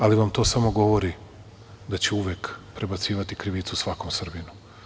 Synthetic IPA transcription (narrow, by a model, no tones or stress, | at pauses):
aliʋamt̪o̞ːsamo̞ɡo̞ʋo̞ɾi | d̪at͡ɕeuʋjekpɾe̞bat̪siːʋat̪ikɾiʋiːt̪susʋako̞msr̩binu